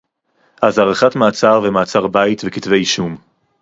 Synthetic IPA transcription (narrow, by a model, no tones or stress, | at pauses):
ʔazaʁeχatmaːt͡saʁvemaːt͡saʁbait̪vekitve̞jiʃum